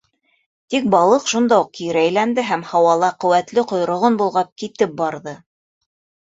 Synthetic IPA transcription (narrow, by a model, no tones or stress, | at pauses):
t̪ik̚bɑlˠɤqʃund̪ɑuq̚kiɾæjlænd̪ɘɦæmhɑwɑlˠɑqɵ̆wæt̪lɘqŏjɾŏʁonbulˠʁɑp̚kit̪ɘp̚bɑɾðɤ